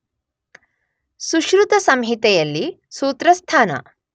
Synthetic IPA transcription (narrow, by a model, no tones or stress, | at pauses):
suʃɾut̪ɐsɐmɦit̪ɛjɐlːi | suːt̪ɾɐst̪ʰaːnɐ̰